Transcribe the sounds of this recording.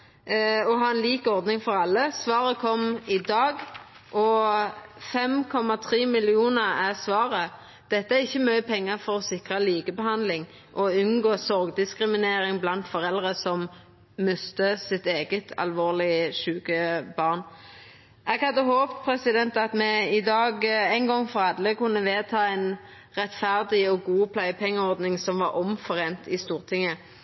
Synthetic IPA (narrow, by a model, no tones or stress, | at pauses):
ɔɦɑːɛnliːkɔʁd̪nɪŋfɔʁɑlːəsʋɑːʁəkʰɔmɪd̪ɑːɡ | ʔɔ | fɛmkʰɔmɑt̪ʰʁiːmɪlɪuːnəʁæʁsʋɑːʁə | d̪̥ɛt̪ːəæɪçːəmœʏəpʰɛŋːəʁfɔɾɔsɪkʁəliːɡəbəhɑnd̪lɪŋ | ʔɔʉnɡoːsɔʁɡd̪ɪskʁɪmɪneːɾɪŋblɑnt̪fɔʁɛld̪ʁəsɔm | mʉst̪əsɪt̪eːɡət̪ʰɑ̰lʋoːʁlɪəʃʉːɡəbɑʁn | ɛɡhɑd̪ːəɦoːpt̪pʰɾɛsɪd̪ɛnt̪ɑt̪mɛɪd̪ɑːɡæɪnɡɔŋːfʁɑd̪ləkʉnːəʋeːt̪ʰɑːɛɪn | ʁɛt̪fæʁd̪ɪɔɡuːpʰlæɪpʰɛŋːəɔʁd̪nɪŋsɔmʋɑɾɔmfɔʁeːnt̪ɪst̪uːʁt̪ʰɪŋə